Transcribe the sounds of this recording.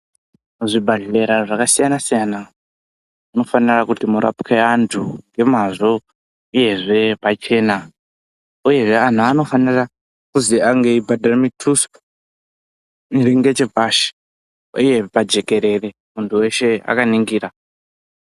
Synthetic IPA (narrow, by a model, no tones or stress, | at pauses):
uʐibʱaɮe̞ɾaʐakasijanasijana | uno̞fanirakutimuɾa̰pkʰeantʰuŋɡe̞maʐo | uje̞ʐe̞pat͡ʃe̞ːna | uje̞ʐe̞an̤uano̞fanira | kuziaŋɡeibʱadʱaremitʰus | iɾiŋɡe̞t͡ʃepaʃi̥ | ṵje̞pad͡ʒe̞ke̞ɾe̞re̞ | muntʰuwe̞ʃe̞a̰kaniŋɡiːɾa